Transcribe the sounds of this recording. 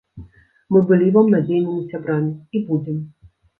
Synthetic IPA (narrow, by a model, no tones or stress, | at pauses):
mɨbɨlʲivamnad͡zʲɛjnɪmʲisʲabɾamʲiibud͡zʲɛm